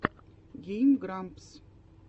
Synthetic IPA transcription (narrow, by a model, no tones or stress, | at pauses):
ɡʲejmɡɾamps